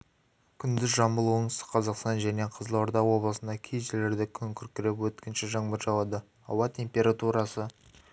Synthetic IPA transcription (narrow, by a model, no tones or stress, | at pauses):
kʲʰʏnd̪ɪzʒɑmbəlˠuəɴsə̥qʰɑzɑqst̪ɑnʒæne̞qʰəzlˠoɾd̪ɑwo̞blˠəsənd̪ɑkʲʰejʒɪle̞ɾd̪ɪkʲʰʏŋkʲʰʏɾkʲɪɾepwɵt̪kʲɪnʃɪʒɑɴbəɾʒɑlˠɑd̪ə | ɑ̰wɑt̪ʰʲe̞mpʲe̞ɾat̪uɾɑsə